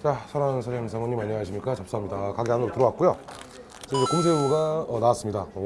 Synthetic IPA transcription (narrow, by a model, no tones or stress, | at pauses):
t͡ɕasʰaɾansʰaɾesʰamoɲimaɲiɦaɕʰimɲik͈at͡ɕap̚s͈oamɲidakaɡeɦanoɾotɯɾʌwat̚k͈ujo | t͡ɕeid͡ʑekoms̬ʰeuɡaʌnawas͈ɯmɲida